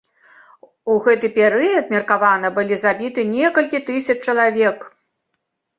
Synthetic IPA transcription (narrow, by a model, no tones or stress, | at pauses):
uɣɛt̪ɨpʲɛɾɨjɐt̪̚mʲɐrkavanɐbɨlʲizabʲit̪ɨnʲɛkɐlʲkʲit̪ɨsʲɐt͡ʂt͡ʂɐlˠavʲɛk